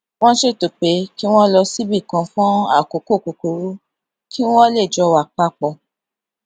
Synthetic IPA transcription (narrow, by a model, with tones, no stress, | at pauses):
w̃ɔ̃˦ʃe˦˨to˨k͡pe˨˦ki˦w̃ɔ̃˦lɔ˧si˦bi˦˨kã˧˦fɔ̃˦a̰˦˨ko˨˦ko˦˨ko˨ko˨ɾu˨˦ | kʰi˦w̃ɔ̃˦le˦˨d͡ʒɔ˧wa˨k͡pa˦˨k͡pɔ˧˨